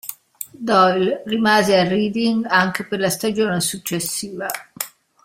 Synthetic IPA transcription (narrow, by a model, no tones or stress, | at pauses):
d̪ɔjlrimaːzeariːd̪iŋɡaŋkeperlast̪ad͡ʒoːnesut͡ʃːesːiːva